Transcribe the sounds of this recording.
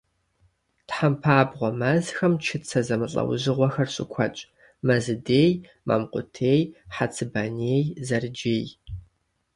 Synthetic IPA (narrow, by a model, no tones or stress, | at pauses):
tħampʰaːbʁʷɔmɐzxɐmt͡ʃʰɪt͡sʰɐzɐmɨɬʼɐ̰wʑɨʁʷɔxɐrɕʼɪkʷʰɐt͡ʃʼ | mɐzɨdeːj | ma̰ːmqʷʼʊtʰeːjħat͡sʰɨbɐneːjzɐrd͡ʒeːj